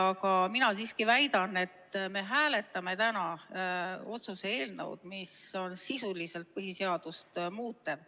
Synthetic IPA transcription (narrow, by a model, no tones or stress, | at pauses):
ɑkɑminɑsiːskivæjd̪̥ɑne̞t̪me̞ɦæːle̞t̪ːˑɑme̞t̪ænɑ | o̞t̪susee̞ːlnɤ̰wd̪̥miso̞nsisulise̞lt̪̚pɤɦise̞ɑd̪̥ust̪muːt̪ːˑe